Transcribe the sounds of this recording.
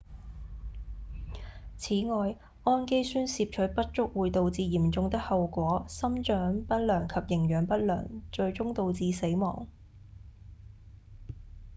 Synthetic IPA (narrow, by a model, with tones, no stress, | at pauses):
t͡sʰiː˨˥ŋɔː˧j | ʔɔː˥nke˥jsyː˥nsiː˧p̚t͡ʃʰɵ˨˥pɐ˥t̚t͡ʃʊ˥k̚wuː˨˧jt̪o˨˧wt͡siː˧jiː˨˩mt͡sʊ˧ŋt̪ɪ˥k̚hɐ˨wkʷɔː˨˥sɐ˥mt͡ʃœː˨˥ŋpɐ˥t̚lœː˨˩ŋkʰɐ˨p̚jɪ˨˩ŋjœː˨˩ŋpɐ˥t̚lœ̰ː˨˩ŋt͡ʃɵ˧ɥt͡ʃʊ˥ŋt̪o˧wt͡siː˧se˨˥jmɔ̰ː˨˩ŋ